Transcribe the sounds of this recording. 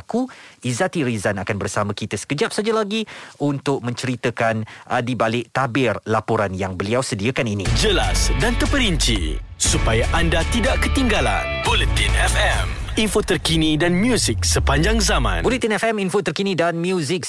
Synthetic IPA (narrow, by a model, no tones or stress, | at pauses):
kuizat̪iɾizanakanbərsamãkit̪əsə̥kəd͡ʒap̚sad͡ʒalaɡiʔunt̪ʊk̚mə̃ɲt͡ʃəɾit̪əkandibalɪʔ̚t̪abɪrlapuɾanjaŋbəliawsədiakaninĩd͡ʒəlasdant̪əpəɾiɲt͡ʃḭsupajaʔandat̪idaʔkət̪iŋɡala̰nbolət̪inɛfɛm | infot̪ərkinidanmjuzik̚səpaɲd͡ʒaŋzamã̰nbulit̪inɛfɛminfot̪ərkinĩdanmjuzɪk̚